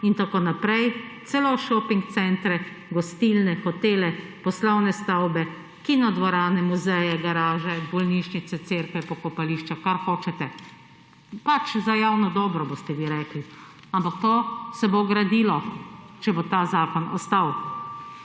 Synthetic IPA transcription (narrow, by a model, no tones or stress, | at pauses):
int̪akonapɾɛjt̪sɛloʃɔpiŋk̚t̪sɛnt̪ɾɛ | ɡɔst̪ilnɛxɔt̪eːlɛpɔslɔwnɛst̪awbɛ | kinɔd̪ʋɔɾaːnɛmuzɛjɛɡaɾaːʒɛbɔlniʃnit̪sɛt̪seːɾkʋɛpɔkɔpaliːʃt͡ʃakaɾxoːt͡ʃɛt̪ɛ | pat͡ʃzajaːwnɔd̪ɔːbɾɔbost̪ɛʋiɾɛːkli | ampak̚t̪oːsɛboɡɾad̪iːlɔt͡ʃɛbot̪aːzaːkɔnɔ̰st̪aw